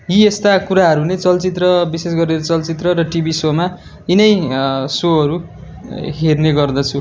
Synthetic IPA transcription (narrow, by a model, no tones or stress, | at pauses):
jiest̪akuɾaɦʌɾunet͡sʌlt͡sit̪rʌbises̬ɡʌreɾʌt͡sʌlt͡sit̪rʌɾʌʈibisoma | inʌjsoʌɾu | ɦerneɡʌrd̪ʌt͡sʰu